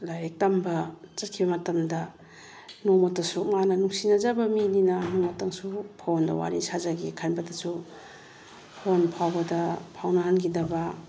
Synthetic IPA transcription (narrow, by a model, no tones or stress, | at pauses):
lajɾek̚tambɐt͡ʃɐt̚kʰibɐmɐtɐmdɐ | nomotɐsumanɐnuŋsinɐzabɐmininɐnomotaŋsupʰowndɐ̰wa̰ɾisazaɡikʰanbɐdɐsu | pʰonpʰawbɐdɐpʰawnɐhankʰidɐbɐ